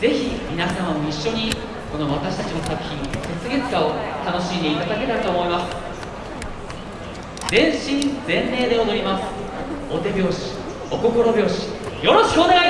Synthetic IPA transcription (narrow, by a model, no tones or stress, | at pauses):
ze̞çimʲinasamanoiɕːo̞ɲ̟i | ko̞no̞βat̪aɕi̥t̪at͡ɕino̞sakɯ̟̥çʲĩŋose̞t͡sɨɡe̞t͡sɨ̥kaot̪ano̞ɕĩnd̪e̞it̪ad̪ake̞t̪at̪oːmo̞imasɨ̥ | zẽ̞ɰ̃ɕĩnd͡zẽ̞nːe̞ːd̪e̞o̞d̪o̞ɾʲimasɨ̥ | o̞t̪e̞bʲjo̞ːɕi̥ | o̞ko̞ko̞ɾo̞bʲjo̞ːɕi̥jo̞ɾo̞ɕi̥kɨone̞ɡai